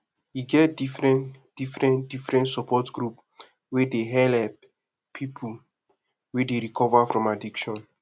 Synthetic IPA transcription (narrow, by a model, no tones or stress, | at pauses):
jiɡɛtdifɹɛ̃nd̥ifɹɛ̃ndifɹɛ̃ntsɔpʰɔtɡɹup | wedeɦɛlɛp̚ | pʰipʰu | wɛdeɹikʰɔvafɹɔ̃madikʃɔ̃n